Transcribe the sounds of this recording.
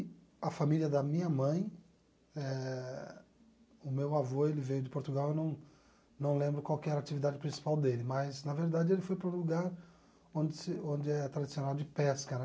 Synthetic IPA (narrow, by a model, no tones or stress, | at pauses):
ɐfamiliɐd̪ɐmĩɲɐmɐ̃j̃ | ɛ | ʊmewavoelɪvejʊd͡ʒɪpoɾt̪uɡawewnɐ̃w̃ | nɐ̃w̃lẽmbɾʊkwawkɪɛɾat͡ʃivid̪ad͡ʒɪpɾĩsi̥pawd̪elɪmɐznɐveɾd̪ad͡ʒɪelɪfojpɾɐũluɡaɾ | õnd͡ʒɪsɪõnd͡ʒɪɛt̪ɾad͡ʒisionawd͡ʒɪpɛskɐnɛ